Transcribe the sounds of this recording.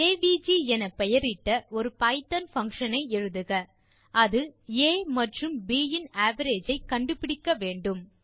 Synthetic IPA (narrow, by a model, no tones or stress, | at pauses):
eːʋiːd͡ʒiɛnɐpɛjɐɾɪʈːɐɔɾɯpɐɪt̪ɐnfɐŋkʂɐnɐɪɛɻɯðɯɣɐ | ɐðɯeːmɐʈrɯmbiːjɪnaːʋɐɾeːd͡ʒɐɪkɐɳɖɯpɪɽɪkːɐʋeːɳɖɯm